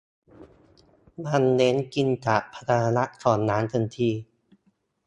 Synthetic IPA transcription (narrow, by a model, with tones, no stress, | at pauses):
ma˧nːe˦˥nki˧nt͡ɕaː˨˩k̚pʰa˧t̪ʰa˧a˧na˦˥ʔsʰɔː˨˩nːaː˦˥nt̪ʰɤ˧nt̪ʰiː˧˩